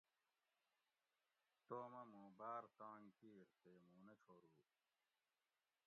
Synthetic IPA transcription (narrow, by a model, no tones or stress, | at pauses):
t̪oːmɐmũːbaːɾt̪ãːŋkiːɾt̪eːmũːnɐt͡ɕʰoːɾuː